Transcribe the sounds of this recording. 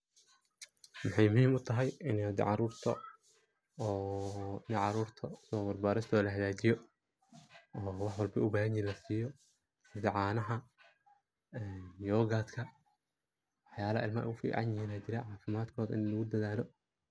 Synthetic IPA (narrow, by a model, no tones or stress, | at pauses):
mɑħɑjmʊhiːmʊt̪ʰɐɦɛjɪnɛd̪ɛ̰ʕɑɾuːrt̪ʰɔ̰ | ɔːɪnɛʕɑɾuːrt̪ʰɐsɔːbɐrbaːɾɪst̪ʰɔːlɐɦɐðaːt͡ʃɪjɔ | ɔːwɑħwɑlbɐʊbaːɦɐɲjiːnlɐsiːjɔ | sɪd̪ɛʕɑːnɐɦɐ | ɛːnjɔːɣaːt̪kʰɐ | wɑħjaːlɐhɐɪlmɐʔɐ̰ɣʊfḭːʕɑ̰njɪhiːnɐt͡ʃɪɾɛʕɑːfɪmaːd̪kʰɔːðɐʔɪnlɐɣʊd̪ɐðaːlɔ